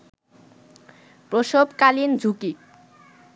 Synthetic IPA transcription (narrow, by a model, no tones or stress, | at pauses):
pɾoʃobkalind͡ʑʱuki